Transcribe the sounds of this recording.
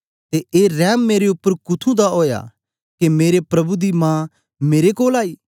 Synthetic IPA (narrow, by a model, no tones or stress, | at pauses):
t̪eeːɾɛːmːeːɾeʊpːəɾkʊt̪ʰũd̪aɦoːja̰ | kemeːɾepɾɐbud̪imãː | meːɾekoːlaːiː